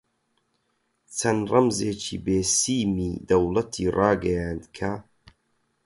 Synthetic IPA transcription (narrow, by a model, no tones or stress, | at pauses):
t͡sʰɐnrɐmzeːt͡ʃʰḭːbeːsiːmiːd̪ɐwlɐt̪ʰiːrʔɑːɡɐjaːnd̪kʰa